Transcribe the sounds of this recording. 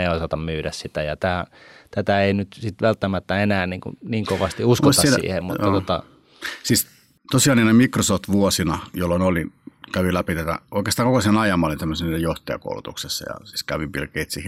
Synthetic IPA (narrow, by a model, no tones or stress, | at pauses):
eiosɑt̪ɑmmyːɾæssit̪æjɑt̪æːt̪æt̪æeinyt̪sit̪ʋælt̪ːæmæt̪ːæenæːniːŋkṵniːŋkoʋɑst̪iuskosɑssḭːhḛmmut̪ɑt̪ot̪ɑ̰ | siːs | t̪osiɑˑlninemikrosoft̪ʋuosinɑjolːonolinkæʋilæpit̪æt̪æ̰oˑikˑest̪ɑːŋkokosienɑjɑmːɑˑlint̪æmːøsiniːnejoht̪ejɑ̰ko̰ˑulut̪uksesːɑ̰jɑ̰si̥ːskæʋipilkeit̪siːh